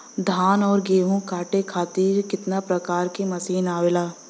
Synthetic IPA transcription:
d̪ʱaːnɔːɾɡeːɦũkʰaːʈekʰaːt̪iːɾkɪt̪napɾɐkaːɾkemɐsiːnaːʋelaː

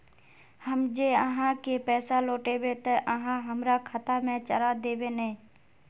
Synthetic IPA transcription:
həmd͡ʒeːəɦãkepɛːsaloːʈeːbet̪əʔəɦãɦəmɾakʰət̪amẽt͡ʃə̰ɾad̪eːbeːnː

